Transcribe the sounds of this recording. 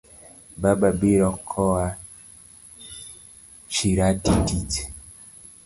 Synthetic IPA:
bababiɾɔkʰɔa | t͡ʃiɾadititɛ̥

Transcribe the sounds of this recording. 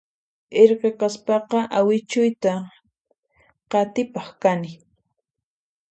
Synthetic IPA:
eɾqekaspɑqɑʔawɪt͡ʃʊjt̪a | qɑt̪ɪpɑχkanɪ

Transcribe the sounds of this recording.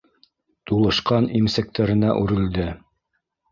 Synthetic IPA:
t̪ulˠɤ̆ʃqɑnimsæk̚t̪æɾɘ̆næʔʉɾɘ̆ld̪ɘ

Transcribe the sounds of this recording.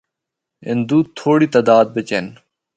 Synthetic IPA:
ɦɪ̰nd̪uːt̪ʰoːɽiːt̪ɐd̪aːd̪̚bɪt͡ɕen

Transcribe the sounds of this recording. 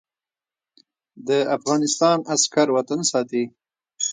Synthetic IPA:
d̪əafɣɑnɪst̪ɑnaskaɾwat̪ansɑt̪i

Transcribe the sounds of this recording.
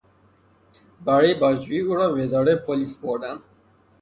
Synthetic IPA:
bæɾɑːjebæɾd͡ʒuːjiuːɾɒːved̪ɒːɾepʰoliːsboɾd̪æn̥

